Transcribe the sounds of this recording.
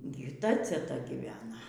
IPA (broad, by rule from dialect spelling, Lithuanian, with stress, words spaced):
ˈɡʲɪ ɪr ˈtɐ t͡sʲɛˈtɐ ɡʲiːˈʋʲæːnɐ